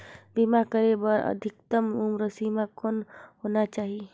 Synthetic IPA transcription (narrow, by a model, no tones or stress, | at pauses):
bimakəɾebəɾə̰d̪ʱɪkt̪əmumɾəsimakonɦonat͡ʃaːɦi